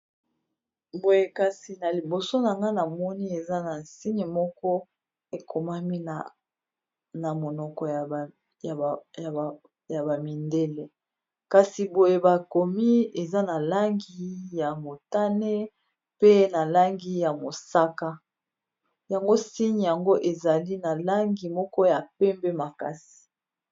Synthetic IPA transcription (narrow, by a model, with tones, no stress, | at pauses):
bo˨je˨ka˨si˨na˨li˨bo˨so˦na˨ŋɡa˦na˨mɔ˦ni˦e˨za˦na˨nsi˦ɲi˨mɔ˦kɔ˦ | e˨kʰo˨ma˦mi˦na˨ | na˨mo˨nɔ˨kɔ˨j | ja˨a˨ | ja˨ba˨mi˨nde˦le˦ | ka˨si˨bo˨je˦ba˨ko˨mi˦e˨za˦na˨la˦ŋɡi˦ja˨mo˨ta˦ne˦ | pe˦na˨la˦ŋɡi˦ja˨mo˨sa˦ka˦ | ja˨ŋɡo˦si˦ɲi˨ja˨ŋɡo˦ʔe˨za˨li˦na˨la˦ŋɡi˨mɔ˦kɔ˦ja˨pɛ˦mbe˦ma˨ka˦si̥˨